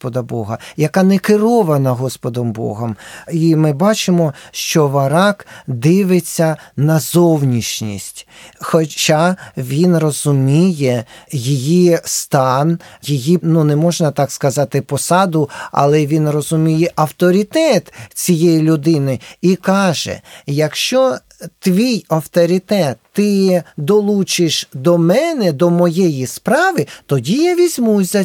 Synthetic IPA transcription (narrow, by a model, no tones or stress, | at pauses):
pɔd̪ɐbɔ̰ɦɐjɐkɑnɛkɪɾɔʋɐnɐɦɔspɔd̪ɔmbɔ̰ɦɐmimɪbɑt͡ʃɪmɔʃt͡ʃɔʋɐɾɑkd̪ɪʋɪt͡sʲːɐnɐzɔwnʲiʃnʲḭsʲtʲxɔt͡ʃaʋʲinrɔzʊmʲijɛjijist̪ɑnjijinunɛmɔʒnɐt̪ɑkskɐzɑt̪ɪpɔsɑd̪ʊɐ̰lˠɛʋʲinrɔzʊmʲijɛʔɐwt̪ɔɾʲit̪ɛt̪t͡sʲijɛjilʲʊd̪ɪnɪikɑʒɛ̰jɐkʃt͡ʃɔ | t̪ʋʲijɐwt̪ɔɾʲit̪ɛt̪ːɪd̪ɔlˠut͡ʃɪʃd̪ɔmɛnɛd̪ɔmɔjɛjispɾɑʋɪt̪ɔdʲijaʋʲizʲmuzʲɐ